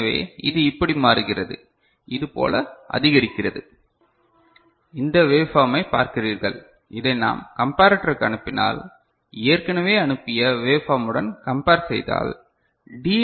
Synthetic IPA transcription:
ʋḛːɪ̰ðɯɪpːɐɽimaːɾɯɣɪrɐðɯ̰ | ʔɪðɯpo̰ːlɐʔɐ̰ðɪɣɐɾɪkːɪrɐðɯ | ɪnd̪ɐʋeːfaːmɐɪpːa̰ːɾkɪriːɾɣɐɭ | ɪðɐɪna̰ːmkɐmpaːɾɐʈːɐɾɯkːɐɳɯpːɪna̰ːl | eːɐɾkɐɳɐʋeːɐɳɯpːɪjɐʋeːfaːmɯɽɐnkɐmpaːɾsɛjða̰ːl | ɖiː

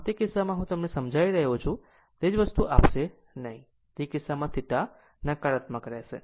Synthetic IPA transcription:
t̪ekɪsːamãɦũt̪əmnesəmd͡ʒʱaiɾəɦot͡ʃʰũ | t̪ed͡ʒʋəst̪uʔapʃe | nəɦĩ | t̪ikɪsːamãt̪ʰɪʈa | nakaɾət̪məkəɾeʃḛ

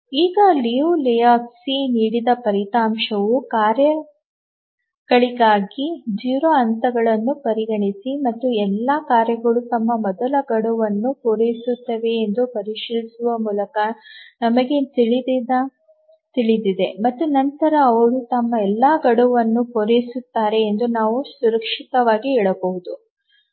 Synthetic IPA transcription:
iːɡɐliulɛjaːksiniːɽid̪ɐpɐɾit̪aːmʂɐʋukaːɾjɐ | ɡ̥ɐɭiɡaːɡid͡ʒiːɾoɐnt̪ɐɡɐɭɐnːupɐɾiɡɐɳisimɐt̪ːuɛlːaːkaːɾjɐɡɐɭut̪ɐmːɐmɔd̪ɐlɐɡɐɽuʋɐnːupoɾejsut̪ːɐʋe̞ːnd̪upɐɾiʂiːlisuʋɐmuːlɐkɐnɐmɐɡe̞t̪iɭid̪id̪ɐ | t̪iɭid̪id̪e̞mɐt̪ːunɐnt̪ɐɾɐːʋɐɭut̪ɐmːɐɛlːaːɡɐɽuʋɐnːupoɾejsut̪ːaːɾe̞ːnd̪unaːʋusuɾɐkʂit̪ɐʋaːɡiɦɛːɭɐbɐʋud̪u

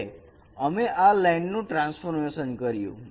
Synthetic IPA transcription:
əmeʔalɛjɳɖnũʈɾãnsfʰoɾmesənkəɾjṵ̃

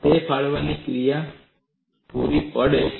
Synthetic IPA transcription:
t̪epʰaɭʋanikɾija | puɾiʔɔɽe

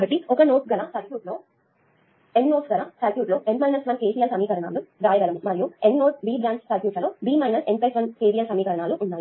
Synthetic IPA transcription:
kɐʈiɔkɐnoːʈɡɐlasɐɾkjuːʈlo̞ː | enːoːsɡɐlasɐɾkjuːʈloːʔenmɐjnɐsʋɐnkeːsijɐlsɐmiːkɐɾɐɳa̰ːlud̪aːjɐɡɐlɐmmɐɾijuenːoːʈbiːbɾaːɳssɐɾkjuːʈɐloːbiːmɐjnɐsempɐjsʋɐnkeːsijɐlsɐmiːkɐɾɐɳaːluʔunːaːji

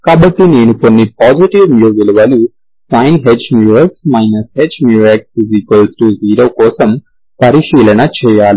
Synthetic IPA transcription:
kaːbɐʈːine̞ːnuko̞nːipaːd͡ʒiʈiʋmjuːʋiluʋɐlu | sɐjnɦed͡ʒmjuːesmɐjnɐshed͡ʒmjuːekspizikɐlsʈuziːɾoːkɔːsɐm | pɐɾiʃiːlɐnɐt͡ʃɛːjaːli

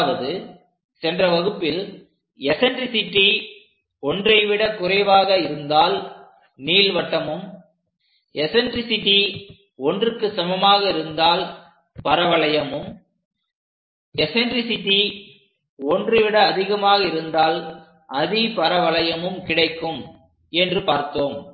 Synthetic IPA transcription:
ʋɐðɯ | sɛndrɐʋɐɣɯpːɪl | ɛsɛnɖɾɪsɪʈːi | ɔndrɐɪʋɪɽɐkʊrɐɪʋaːɣɐɪɾɯnd̪aːl | niːlʋɐʈːɐmɯm | ɛsɛnɖɾɪsɪʈːi | ɔndrɯkːɯsɐmɐmaːɣɐɪɾɯnd̪aːl | pɐɾɐʋɐɭɐjɐmɯm | ɛsɛnɖɾɪsɪʈːi | ɔndrɪʋɪɽɐːðɪɣɐmaːɣɐɪɾɯnd̪aːl | ʔɐðipɐɾɐʋɐɭɐjɐmɯmkɪɽɐɪkːɯm | ɛndrɯpaːɾt̪oːm

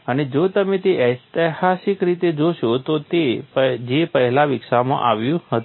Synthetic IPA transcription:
əned͡ʒot̪əmet̪eət̪əhasɪkɾit̪ed͡ʒoʃot̪ot̪epd͡ʒepəɦɛlaʋɪkʃamã̰ʔa̰ʋjũhət̪

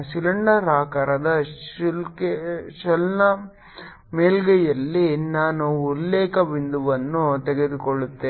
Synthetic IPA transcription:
silɐɳɖɐɾaːkɐɾɐd̪ɐilkeʃɐlnɐ | meːlɡɛjɐlːinaːnuːlːeːkɐbind̪uʋɐnːut̪eɡed̪ukoɭut̪ːe

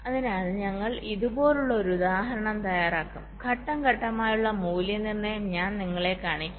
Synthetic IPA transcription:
ɐðinaːðɨɲɐŋːɐɭiðubo̞ːluɭːɐo̞ɾuud̪aːɦɐɾɐɳɐmt̪ɐjaːɾaːkːumkʰɐʈːɐŋɡɐʈːɐmaːjuɭːɐmuːljɐnirnɐjɐmɲaːnniŋːɐɭe̞kaːɳikʲːu

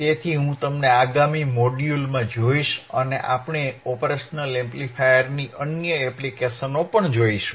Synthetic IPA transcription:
t̪et̪ʰiɦũt̪əmneaɡamimoɖjulmãd͡ʒoiʃənḛʔapɳ̃eɔpɾeʃənəlemplifʰajəɾniʔənjəɛplikeʃənopəɳd͡ʒoiʃũ

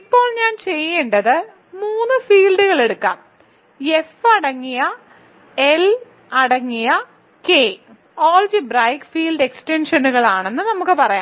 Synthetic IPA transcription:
ipːo̞ːɭɲaːnt͡ɕe̞jːeːɳɖɐðɨ | muːnːɨfiːlɖuɣɐɭe̞ɽukːa̰ːm | e̞fɐɽɐŋːijɐ | el | ɐɽɐŋːijɐ | keː | oːld͡ʑibrɐjkfiːlɖe̞ksʈenʂɐnuɣɐɭaːɳe̞nːɨnɐmukːɨpɐrɐja̰ː

